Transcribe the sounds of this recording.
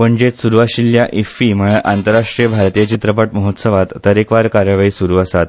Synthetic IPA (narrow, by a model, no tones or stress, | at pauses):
pəɳd͡ʑet̪suɾuʋaɕiljaʔifiməɭʔant̪əɾːaʂʈɾijəbʱaɾt̪ijat͡ɕit̪ɾəpəʈməɦot̪səʋat̪ːəɾekʋaɾkaɾjəʋaiːsuɾuːəsat̪̚